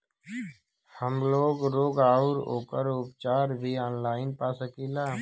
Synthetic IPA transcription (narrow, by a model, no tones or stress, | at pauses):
həmloːɡɾoːɡaːʊɾo̰ːkəɾʊpt͡ʃaːɾbʱiːɔːnlaːɪnpaːsəkiːlaː